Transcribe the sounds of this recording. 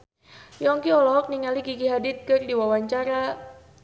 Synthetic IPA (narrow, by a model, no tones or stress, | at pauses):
jɔŋkiɔlɔk̚niŋaliɡiɡiɦadit̪̚kərdiwawaɲt͡ʃaɾa